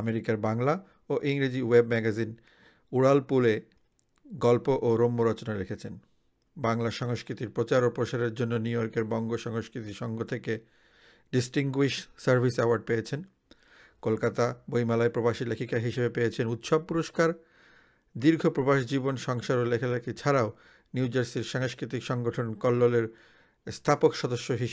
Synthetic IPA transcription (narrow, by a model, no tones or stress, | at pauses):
ameɾikaɾbaŋla | oʔiŋɾid͡ʑiwebmɛɡazin | uɽalpule | ɡɔlpoʔoɾomːoɾɔt͡ɕonaɾekʰet͡ɕʰen | baŋlaʃɔŋoskɾit̪iɾpɾot͡ɕaɾopɾoʃaɾeɾd͡ʑonːoniujoɾkeɾbɔŋɡoʃɔŋoskɾit̪iʃɔŋɡot̪ʰeke | ɖisʈiŋɡuiʃʈsaɾbʱisɛoaɾɖ̚pejet͡ɕʰen | kolkat̪abojmalaepɾobaʃilekʰikaɦiʃebepeet͡ɕʰenut̪ʃɔb̚puɾoʃkaɾ | d̪iɾɡʱopɾobaʃd͡ʑibonʃɔŋʃaɾolekʰelekʰit͡ɕʰaɾao | niud͡ʑaɾsiɾʃaŋskɾit̪ikʃɔŋɡoʈʰonkɔlːoleɾ | st̪ʰapokʃɔd̪oʃːoɦiʃ